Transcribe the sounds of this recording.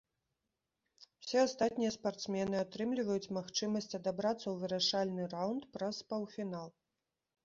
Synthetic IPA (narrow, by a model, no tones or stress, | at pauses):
wsʲɛast̪at̪̚ʲnʲijɐspart̪smʲɛnɨat̪ɾɨmlʲivɐjut͡sʲmaxt͡ʂɨmɐsʲt͡sʲɐd̪abɾat̪sːɐwvɨɾaʂalʲnɨrawnt̪pɾɐspawfʲinalˠ